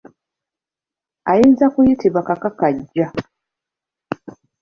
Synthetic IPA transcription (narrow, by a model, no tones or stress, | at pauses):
ajiːnzakujitiβakakakaɟːa